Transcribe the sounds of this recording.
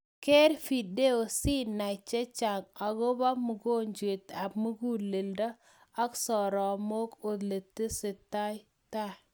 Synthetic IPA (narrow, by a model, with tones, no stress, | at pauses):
ke˦ɾfi˨de˦o˨si˦na˨t͡ʃe˦t͡ʃa˨ŋa˨ɡo˦ba˦mu˨ɡo˦ɲd͡ʒwe˨t̪a˨bmu˦ɡu˦˨le˨lda˦ | a˦ksɔ˨ɾɔ˨mo˦ko˨d̪le˨tːi˦sɪ˨ta˦j | ta˦˨